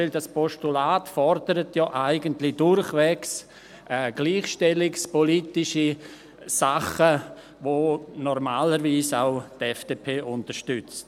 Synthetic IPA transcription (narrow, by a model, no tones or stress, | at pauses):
ɪldaspʰɔʃtulaːtfɔɾdəɾətʰjɔːʔaɪɡəntlɪd̥ʊɾχʋɛks | ʔɛːɡ̥liːχʃtɛlɪkspɔlitɪʃi | saχə | ʋonɔɾmaːləɾʋiːsa̰ʊtɛfd̥epʰeːʔʊntəɾʃtʏt͡st